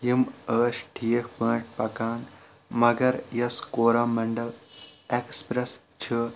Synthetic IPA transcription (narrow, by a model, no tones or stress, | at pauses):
iməːɕʈʰiːekpə̃ːʈ̚pɐkaːn | mɐɡɐɾjɐskoːɾamɐɳɖəlekspɾes | t͡ɕʰɨ